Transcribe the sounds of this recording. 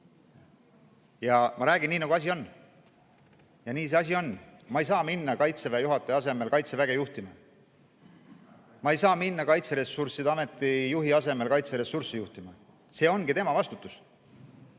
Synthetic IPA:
jɑmɑɾæːɡ̥inːiːnɑɡuɑs̬ʲio̞nː | jɑniːs̬e̞ɑs̬ʲio̞nmɑejs̬ɑːminːɑkɑjt̪se̞væjuɦɑt̪ːˑeɑse̞me̞lkɑjt̪se̞væɡ̥e̞juht̪imɑ | mɑejsɑːminːɑkɑjt̪se̞ɾe̞sursid̪ɑme̞t̪ːˑijuɦiɑse̞me̞lkɑjt̪seɾe̞sursijuht̪imɑ | se̞ːo̞nɡ̥it̪e̞mɑvɑst̪ut̪ːˑus

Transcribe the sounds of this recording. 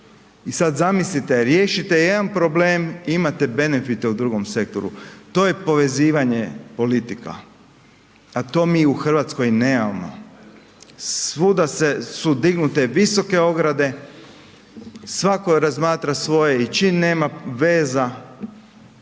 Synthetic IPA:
isad̪zamislit̪eɾjeːʃit̪e̞jed̪anpɾo̞bleːmimat̪ebe̞nefit̪eud̪ɾuɡomse̞k̚t̪o̰ɾṵt̪o̞ːje̞po̞ʋe̞ziːʋaɲepo̞lit̪ika̰ | at̪o̞ːmiuxrʋat̪sko̞jnemamo̰ | sʋud̪asesud̪iɡnut̪e̞ʋiso̞ke̞o̞ɡɾad̪e̞ | sʋako̞ɾazmaːt̪ɾasʋo̞jeit͡ʃinːeːmaʋe̞ːza

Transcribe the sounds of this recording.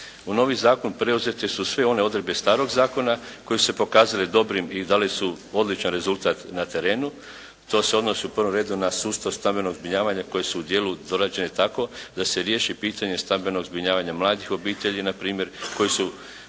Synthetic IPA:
uno̞ːʋizaːko̞npɾe̞uze̞t̪esusʋeo̞ne̞o̞d̪ɾebe̞st̪aːɾo̞ɡzaːko̞nako̞jesu̥se̞po̞kaːzaled̪o̞bɾimid̪aːlisu | o̞d̪lit͡ʃanɾe̞zulˠt̪aːt̪nat̪e̞ɾe̞ːnu | t̪o̞se̞o̞d̪no̞siupr̩ʋomɾe̞ːd̪unasuːst̪aʋst̪ambe̞no̞ɡzbɾiɲaːʋaɲako̞jesuːd̪je̞ːlud̪o̞ɾad͡ʑe̞net̪ako̞d̪ase̞ɾje̞ːʃipiːt̪aɲe̞st̪ambe̞no̞ɡzbiɲaːʋaɲamlˠaːd̪ixo̞biːt̪eʎinapɾiːmje̞ɾko̞jesu

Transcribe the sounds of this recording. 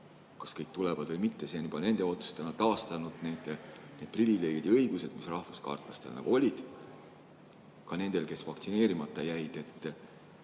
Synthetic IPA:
kɑskɤjk̚t̪ulɛvɑd̪vɤjmit̪ːe̞se̞nyb̥ɑne̞nd̪̥e̞o̞t̪su̥st̪enɑt̪ɑːst̪ɑnud̪̥ne̞ːd̪̥ne̞ːd̪̥̚privileːɡ̥ʲid̪ɤjɡ̥use̞d̪̥misrɑhfuskɑ̰rt̪ˑlɑst̪e̞lnɑ̰ɡ̥uo̞lʲid̪̥ | kɑne̞nd̪̥e̞lke̞svɑk̚t̪sine̞ːɾimɑt̪ˑːɑjæjd̪̥e̞t̪ː

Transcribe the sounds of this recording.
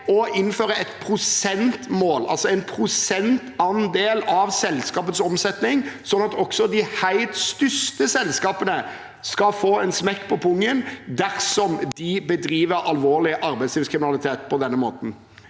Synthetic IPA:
ɔʔɪnːføːɾəɛt̪pʰɾʊsɛnt̪moːlɑ̰lsɔɛnpʰɾʊsɛnt̪ɑnd̪eːlɑʋsɛlskɑːpət̪sɔmsɛt̪nɪŋsɔnːɑt̪ɔksɔd̪ɪhæɪlt̪st̪ʏst̪əsɛlskɑːpənə | skɑfoːɛnsmɛkːpʰɔpʰʊŋːənd̪æʁsɔmd̪ɪbəd̪ɾiːʋəɾɑlʋoːlɪʔɑɾbæɪsliːʋskʰʁɪmɪnɑlɪt̪ʰeːt̪̚pʰɔd̪ɛnːəmoːt̪n̩

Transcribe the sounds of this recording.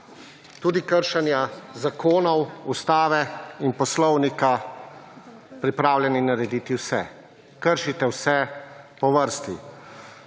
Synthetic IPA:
t̪uːd̪ikəɾʃanjazakʰoːnɔwust̪aːʋɛinpɔslɔwnika | pɾipɾaːwljɛninaɾɛd̪iːt̪iwsɛ̰ | kəɾʃit̪ɛwsɛpɔʋəɾst̪i

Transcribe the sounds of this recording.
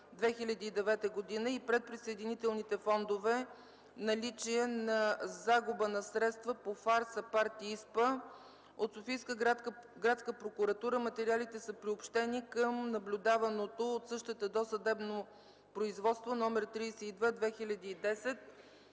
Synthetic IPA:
d̪vɛxilʲɐd̪iːd̪ɛvɛt̪əɡod̪inəipɾɛt̪̚pɾisəɛd̪init̪ɛlˠnit̪ɛfɔnd̪ovɛ | nɐlit͡ʃiɛnɐzaɡʊbənɐsɾɛt̪st̪vəpofaɾsɐpaɾt̪iispə | ot̪sofijskəɡɾat̪skəpɾokuɾɐt̪uɾəmɐt̪ɛɾialit̪ɛsəpɾiopʃt̪ɛnikəmnɐblʲʊd̪avɐnot̪oot̪sɤʃt̪ɛt̪əd̪ɔsəd̪ɛbno | pɾoizvɔt̪st̪vonɔmɛɾt̪ɾisɛid̪vɛd̪vɛxilʲɐd̪iːd̪ɛsɛt̪̚

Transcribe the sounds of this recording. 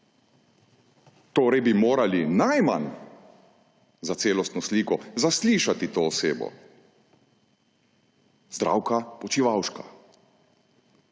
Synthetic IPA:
t̪oːɾɛjbimoːɾalinajma̰n | zat̪seːlɔst̪nɔsliːkɔzasliːʃat̪it̪oːɔseːbɔ̰ | zd̪ɾa̰ːwkapɔt͡ʃiʋawʃka

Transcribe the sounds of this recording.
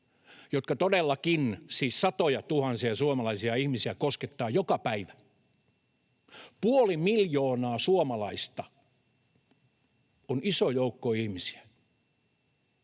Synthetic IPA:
jot̪kɑt̪odelːɑkinsiːssɑt̪ojɑt̪uhɑnsiɑsuomɑlɑisiɑihmisiækosket̪ːɑːjokɑpæiʋæ | puolimiljoːnɑːsuomɑlɑist̪ɑ | onʔisojoukːoihmisi̥æ̥

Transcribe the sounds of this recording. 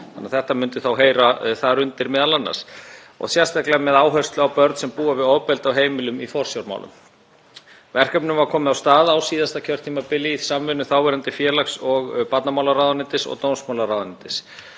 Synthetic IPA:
anːaθɛht̪amʏnt̪ʏθawɦeːjɾaθaðɾʏnt̪ɪɾmɛːðalanːa̰̥s | ɔ̰ɣsjɛ̥st̪ahklɛmɛðaːwɦœ̥st̪lʏawpœɾt̪sɛmpuːɣavɪðɔːwpɛlt̪awɦeːjmɪlʏmifɔr̥sjawɾma̰wlʏ̰m | vɛr̥kœpnʏmvaɾkʰɔːmɪðawst̪aːðawsiːðast̪acʰœr̥t̪ʰiːmapɪlːisamvɪnʏθaːwvɛɾant̪ɪfjɛːlaksɔɣpat̪namawlaɾaːwðanɪnt̪ɪsɔ̰ɣt̪oːwnsmawlarawðanɪnt̪ɪs

